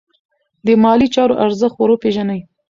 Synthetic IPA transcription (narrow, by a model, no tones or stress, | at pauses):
d̪əmɑlit͡ʃɑɾoʔaɾzəxt̪̚waɾopeʒanəj